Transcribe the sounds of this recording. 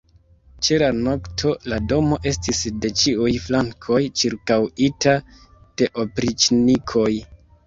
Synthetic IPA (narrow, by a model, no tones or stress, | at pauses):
t͡ʃe̞lano̞ktʰo̞lado̞mo̞ʔe̞stisde̞t͡ʃiujflaŋkʰo̞jt͡ʃiɾkawita | d̥e̞ʔo̞pɾit͡ʃnikʰo̞j